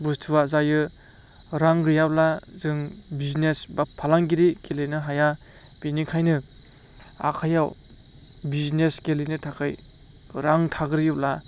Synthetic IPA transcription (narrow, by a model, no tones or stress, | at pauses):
bustʰuwazajɯ | ɾaŋɾɯjawlazɯŋbiznesbapʰːalaŋɡiɾikelinɯɦaja | b̥inikʰajnɯ | a̰kʰajaw | bizneskelijnɯtʰakʰɯj | ɾaŋtʰaɡɯɾijɯpla